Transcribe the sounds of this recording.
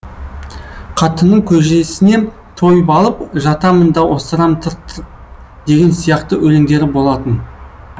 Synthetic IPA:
qʰɑt̪ənːəɴkʲʰɵʒesɪne̞ | t̪ʰo̞jbɑlˠəp̚ʒɑt̪ɑmənd̪ɑwʔost̪əɾɑmt̪ʰəɾt̪ʰːə | d̪̥e̞ɡʲe̞nsijɑqt̪əʔɵleŋd̪e̞ɾɪbo̞lˠɑt̪ən

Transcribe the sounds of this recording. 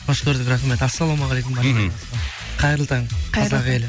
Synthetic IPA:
oʃkʲʰɵɾd̪ɪkɾɑχmet̪asːɑlˠomɑʁɑlejkʊmɑmɑsɑ | qʰɑjɾəlˠt̪ʰɑŋqʰɑzɑqel

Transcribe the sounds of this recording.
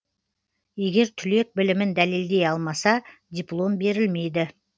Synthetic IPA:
je̞ɡʲe̞ɾt̪ʰʏle̞k̚bɪlɪmɪnd̪æleld̪e̞jɑlˠmɑsɑd̪ʲijplˠo̞mbe̞ɾɪlme̞jd̪ɪ

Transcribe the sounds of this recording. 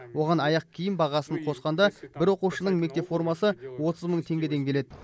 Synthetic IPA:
wo̞ʁɑnɑjɑq̚kʲʰijɪmbɑʁɑsəɴqʰo̞sqɑnd̪ɑbɪɾwo̞quwʃənəɴme̞k̚t̪e̞pfo̞ɾmɑsəwo̞t̪ʰəzməɴt̪ʰe̞ŋɡʲe̞d̪e̞ŋkʲʰe̞le̞d̪ɪ

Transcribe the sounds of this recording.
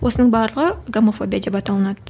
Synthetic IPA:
wʔosənəɴbɑɾlˠəʁəɡomofo̞bʲijad̪e̞pɑt̪ɑlˠənɑd̪ə

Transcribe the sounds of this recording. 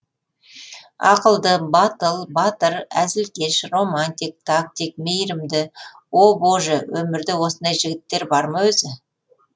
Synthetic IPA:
ɑ̰qəlˠd̪əbɑt̪əlˠbɑt̪əɾæzɪlkʲe̞ʃro̞manʲt̪ijk̚t̪ʰak̚t̪ik̚mejɾɪmd̪ɪ | wo̞bo̞ʒəwɵmɪɾd̪ɪwo̞sənd̪ɑjʒɪɡʲɪt̪ːe̞ɾbɑɾmɑwɵzɪ

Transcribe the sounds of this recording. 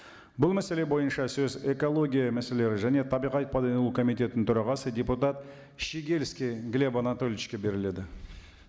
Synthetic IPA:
bʊlˠmæse̞le̞bo̞jənʃɑsɵze̞ko̞lˠo̞ɡʲijamæse̞le̞ɾɪʒæne̞t̪ʰɑbijʁɑt̪̚pʰɑd̪enlˠukʰo̞mijt̪ʲe̞t̪ɪnɪnt̪ʰʊɾɑʁɑsəd̪ʲe̞put̪at̪ | ʃiɡʲelskʲiɡlʲebonat̪o̞lʲit͡ʃkʲe̞be̞ɾɪle̞d̪ɪ

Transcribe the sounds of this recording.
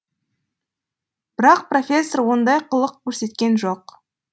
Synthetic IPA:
b̥ɪɾɑq̚pro̞fʲe̞sːo̞rwo̞nd̪ɑjqʰəlˠəqkʲʰɵɾse̞t̪kʲe̞nʒo̞q

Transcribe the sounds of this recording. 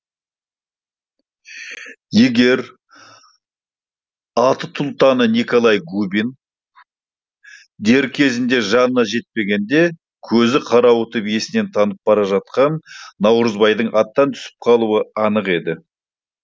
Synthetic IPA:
je̞ɡʲe̞ɾ | ɑt̪ət̪ʰʊlˠt̪ɑnəniko̞lˠɑjɡubin | d̪e̞ɾkʲʰe̞zɪnd̪e̞ʒɑnənɑʒe̞t̪̚pe̞ɡʲe̞nd̪e̞ | kʲʰɵzɪqʰɑɾɑwʊt̪ʰʏbije̞sɪne̞nt̪ʰɑnəp̚bɑɾɑʒɑt̪̚qɑnːɑwɾəzbɑjd̪əɴʔɑt̪ːɑnt̪ʰʏ̥sɪ̥p̚qʰɑlˠuəɑnəqe̞d̪ɪ

